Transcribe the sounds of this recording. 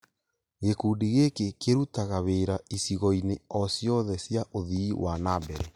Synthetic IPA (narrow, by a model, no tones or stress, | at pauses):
ɣekuːdiɣekekeɾutaɣaβeːɾaisiɣɔineɔsjɔðɛsjaʔoðiːwʔanaːbɛɾɛ